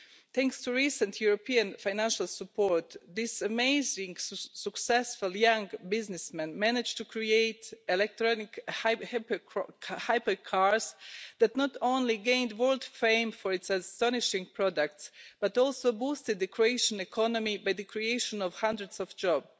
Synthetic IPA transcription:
t̪æ̃ŋkstuɹisə̃nt̪ʰjuɹopʰiãnfãjnæ̃nʃalˠsəpʰɔɹt̪d̪ɪsəmeɪzɪ̃ŋsəksɛsfʊlˠjãŋɡbɪznɪsmɛ̃nmænɪd͡ʒtukʰɹieɪtɛlɛk̚t̪ɹɔnɪkh | haɪpəkʰaɹzðæt̪nɔt̪õnliɡẽɪ̃ndwɜ˞lˠdfẽɪ̃mfɔɹɪtsəstɔnɪʃɪ̃ŋɡpʰɹɔdək̚tsb̥at̪ɔlˠsoʊbustɨd̪̚ðəkʰɹieɪʃə̃nɛkʰɔnɔmibajðəkʰɹieɪʃɔ̃nɔvhãndɹədsɔvd͡ʒɔb

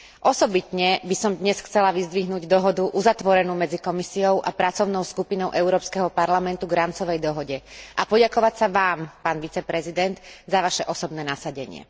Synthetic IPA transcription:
ʔɔsɔbit̪ɲɛbisɔmd̪ɲɛsxt͡sɛlaʋizd̪ʋiɦnuːɟd̪ɔɦɔd̪uʔuzat̪ʋɔɾɛnuːmɛd͡zikɔmisijɔʊʔa̰pɾat͡sɔʊnɔʊskupinɔʊʔɛʊɾɔːpskɛɦɔpaɾlamɛnt̪uɡɾamt͡sɔʋɛjd̪ɔɦɔɟɛʔapɔɟakɔʋacsaʋaːmpaːnʋit͡sɛpɾɛzid̪ɛnd̪zaʋaʃɛʔɔsɔbnɛːnasaɟɛɲɪɛ̰

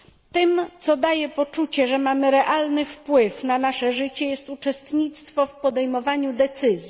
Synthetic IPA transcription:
t̪ɘmt̪sɔd̪ajɛpɔt͡ʂut͡ɕɛʐɛmamɘɾɛʔalnɘfpwɘfnanaʂɛʐɘt͡ɕɛjɛst̪ut͡ʂɛst̪ɲit̪st̪fɔfpɔd̪ɛjmɔvaɲud̪ɛt̪sɘzʲji

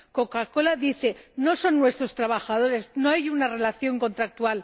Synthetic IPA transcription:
ko̞kako̞laðiθe̞no̞so̞nːwe̞st̪ɾo̞st̪ɾaβaxað̞o̞ɾe̞zno̞ajunare̞laθjo̞ŋko̞nt̪ɾak̚t̪ual

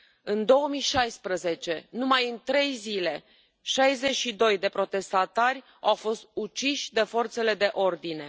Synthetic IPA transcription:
ɨnd̪o̞wəmijʃajspɾəze̞t͡ʃe̞numajɨnt̪ɾe̞jzile̞ | ʃajze̞t͡ʃʃid̪o̞jd̪e̞pɾo̞t̪e̞st̪at̪arʲ | awfo̞st̪̚ut͡ʃiʃʲd̪e̞fo̞rt̪se̞le̞d̪e̞ʔo̞rd̪ine̞

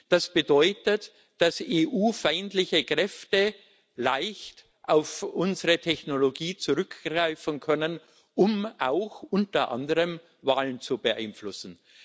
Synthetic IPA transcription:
d̥asb̥ədɔʏtət | d̥aseːʔuːfaɪntlɪçəkʁ̥ɛftə | laɪçt | ʔaʊfʔʊnzəʁətʰɛçnoloɡiːt͡suʁʏkɡ̥ʁ̥aɪfn̩kʰœnən | ʔʊmʔaʊxʔʊntɐʔa̰ndəʁəm | vaːlənt͡subəʔa̰ɪnflʊsn̩

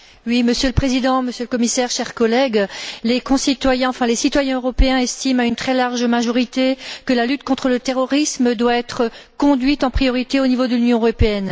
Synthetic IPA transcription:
wiməsjøləpχezid̪ɑ̃məsjøləkɔmisɛʁʃɛʁkɔlɛɡlekɔ̃sit̪wajɛ̃ɑ̃fɛ̃lesit̪wajɛ̃øʁɔpeɛ̃ɛst̪imaynt̪χɛlaʁʒmaʒɔʁit̪ekəlalyt̪kɔ̃t̪χələt̪eʁɔʁisməd̪waɛt̪χəkɔ̃d̪ɥit̪ɑ̃pχijɔʁit̪eonivod̪əlynjɔ̃øʁɔpeɛn

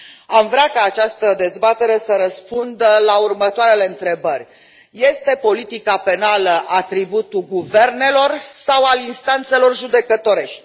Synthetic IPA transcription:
amvɾʲakaːt͡ʃast̪əd̪e̞zbat̪e̞ɾe̞səɾəspund̪əlaurmət̪oaɾe̞le̞ɨnt̪ɾe̞bərʲ | je̞st̪e̞po̞lit̪ikape̞naləʔat̪ɾibut̪uɡuve̞rne̞lo̞rsawalinst̪ant̪se̞lo̞rʒud̪e̞kət̪o̞ɾe̞ʃt̪ʲ

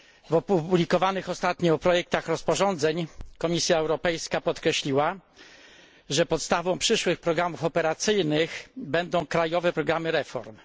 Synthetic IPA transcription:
vɔpublʲikɔvanɘxɔst̪at̪ɲɔɔpɾɔjɛk̚t̪axɾɔspɔʐɔnd̪zɛɲkɔmʲisʲjaɛwɾɔpɛjskapɔt̪kɾɛɕlʲiwa | ʐɛpɔt̪st̪avɔ̃w̃pʂɘʂwɘxpɾɔɡɾamufɔpɛɾat̪sɘjnɘxbɛnd̪ɔ̃w̃kɾajɔvɛpɾɔɡɾamɘɾɛfɔ̰ɾm

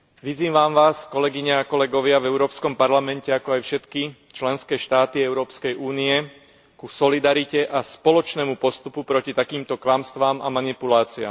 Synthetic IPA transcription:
ʋiziːmʋaːmʋaːskɔlɛɡiɲaakɔlɛɡɔʋɪavɛʊɾɔːpskɔmpaɾlamɛncɛakɔajfʃɛt̪kit͡ʃlɛnskɛːʃt̪aːt̪iɛʊɾɔːpskɛjʔuːniɛ | kusɔlid̪aɾicɛʔaspɔlɔt͡ʃnɛːmupɔst̪upupɾɔcit̪akiːmt̪ɔklamst̪ʋaːmʔa̰manipulaːt͡sia̰ːm

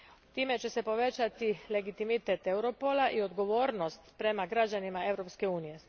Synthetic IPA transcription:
t̪iːme̞t͡ɕe̞se̞po̞ʋe̞t͡ɕat̪ile̞ɡit̪imit̪et̪e̞wɾo̞polaʔio̞d̪ɡo̞ʋoːɾno̞st̪pɾe̞maɡɾad͡ʑanimae̞ʋɾo̞pske̞uːnije̞

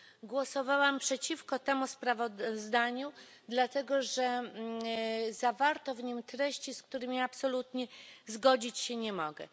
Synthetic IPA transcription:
ɡwɔsɔvawampʂɛt͡ɕifkɔt̪ɛmuspɾavɔzd̪aɲu | d̪lat̪ɛɡɔʐɛ | zavaɾt̪ɔvɲimt̪ɾɛɕt͡ɕiskt̪uɾɘmʲiapsɔlut̪ɲɛzɡɔd͡ʑit͡ɕɕɛɲɛmɔɡɛ̰

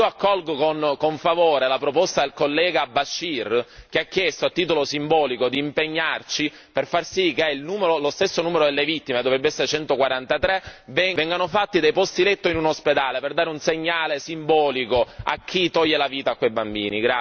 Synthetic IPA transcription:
ioakːɔlɡokonkoɱfavoːɾelapɾopost̪ad̪elkolːɛːɡabaʃːirk̟eakːjest̪oalt̪ːiːt̪olosimbɔːlikod̪iːmpeɲːart͡ʃi | perfarsikːeɛilnuːmeɾolost̪esːonuːmeɾod̪elːevit̪ːimed̪ovɾɛbːeɛsːeɾet͡ʃɛnt̪okwaɾant̪at̪ɾevɛvɛŋɡanofat̪ːid̪ejpɔst̪ilet̪ːoinunosped̪aːleperd̪aːɾeunseɲːaːlesimbɔːlikoa̰k̟ːit̪ɔʎːelaviːt̪aːkːwejbambḭːniɡɾa

